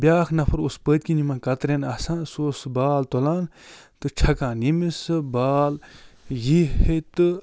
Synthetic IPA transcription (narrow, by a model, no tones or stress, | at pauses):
bʲjaːxʰnɐfʰɐɾospəːt̪̚ʲkinimãːkɐt̪ɾenɐsãːsoːsbaːlt̪olãːn | t̪ɨt͡ʃʰɐkãːnimisɨbaːljihet̪ɨ